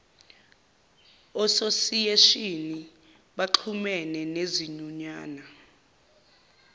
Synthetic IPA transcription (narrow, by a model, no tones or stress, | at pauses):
ɔsosijeʃini | ɓaǃʰumɛnɛneziɲuɲaːna